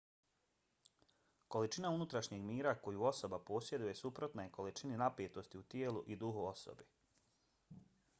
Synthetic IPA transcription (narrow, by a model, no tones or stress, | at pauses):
ko̞lit͡ʃinaunut̪ɾaʃɲeɡmiːɾako̞juo̞so̞bapo̞ːsje̞d̪uje̞supɾo̞t̪naeko̞lit͡ʃininapjet̪o̞st̪iut̪jeːluʔid̪uɦuo̞so̰bi